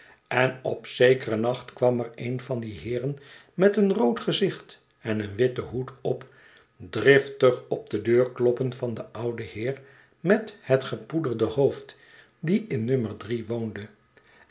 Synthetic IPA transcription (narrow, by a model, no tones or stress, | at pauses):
ɛnɔ̰psejkərənɑχtkʋɑməɹejnvɑndiɦɪːrən | mɛtənrowtχəzɪχt | ɛnənʋɪtəɦutɔp | drɪftəχɔb̚dədøːɹklɔpənfɑndəʔʌwdəhɪːɹ | mɛthətχəpudərdəhowft | diɪnːøməɹdriʋowndə